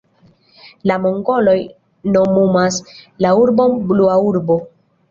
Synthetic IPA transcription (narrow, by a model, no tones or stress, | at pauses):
lamoŋɡo̞lo̞j | no̞mumaslauɾbo̞nbluauɾbo̞